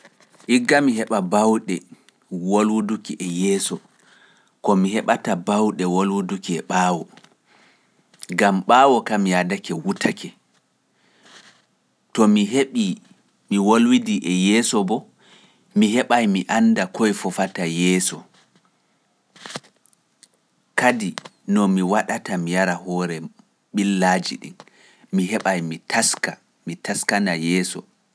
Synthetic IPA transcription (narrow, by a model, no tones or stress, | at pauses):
ʔiɡːamiɦɛɓabawɗɛ | wolwudukiʔɛjɛːsɔ | kɔmiɦɛɓatabawɗɛwolwudukiɛɓaːwɔ | ɡamɓaːwɔkamijadakɛwutʰakʰɛ | tɔmiɦeɓi | miwolwidiʔɛjɛːsɔbɔ | mihɛɓajmiʔandakɔjfɔfatajɛːsɔ | kadi | nɔmiwaɗatamijaɾahɔɾɛ | ɓilːad͡ʒiɗḭn | miɦɛɓajmitʰaska | mitaskanajɛːsɔ̰